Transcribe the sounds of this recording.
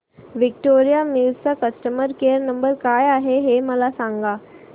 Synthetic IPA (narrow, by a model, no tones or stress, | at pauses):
ʋik̚ʈoɾijamit͡sakəsʈəməɾkejəɾnəmbəɾkajaɦeɦeməlasãŋɡa